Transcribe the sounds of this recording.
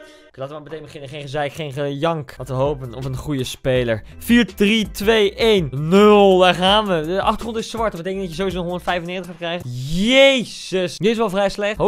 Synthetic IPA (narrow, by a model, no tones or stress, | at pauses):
klaːtʋəmamətejnbəχɪnənχejnχəzɛjkχejnχəjɑŋkɑtəɦowpənɔfənχujəspejləɹfiːɹdritʋejʔejnnølˠdaɹχaːnʋəʔɑχtχrɔntɪsʋɑɹtbətejkəndɑtjəzowizonɦɔndətfɛjfvənɪːtəχatkrɛjχəjejzəsjəɪsʋɛlˠvrɛjslɛχtɦo